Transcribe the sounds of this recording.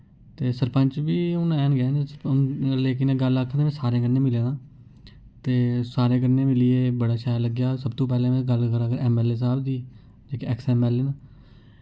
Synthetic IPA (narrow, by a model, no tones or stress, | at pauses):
t̪eːsəɾpəɲt͡ʃbiːʊnɛːnɡɛːnː | leːk̬ɪnẽːɡəlakʰːd̪eːmɛ̃ːsaːɾẽːkəɾnẽːmɪlẽːd̪ãː | t̪eːsaːɾẽːk̬əɾneːmɪliːeːbəɽaːʃaːjləɡjaːsəbt̪õːp̬ɛːlẽːmɛ̃ːɡəlkəɾaːkəɾɛːmɛːleːs̬aːbd̪iː | d͡ʒeːkeɛksɛːmɛːleːna